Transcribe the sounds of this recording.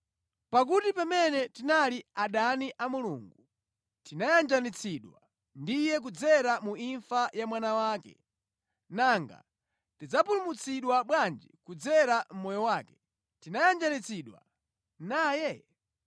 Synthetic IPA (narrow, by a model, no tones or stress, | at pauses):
pak̬utipamɛnɛtinaliaɗaniʔamuluːŋɡu | tinajand͡ʒanit͡sʰiɗwa | ndijɛk̬ud͡zɛɾamuiɱfajamwanawaːkɛ̰ | naŋɡa̰ | tid͡zapulumut͡sʰiɗwaɓwand͡ʒikud͡zɛɾam̩mɔjɔwaːkɛ̥ | tinajand͡ʒanit͡sʰiɗwa̰ | naːjɛ